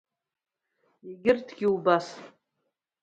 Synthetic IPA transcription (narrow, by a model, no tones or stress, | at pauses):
iɡʲɪrtʰɡʲiubas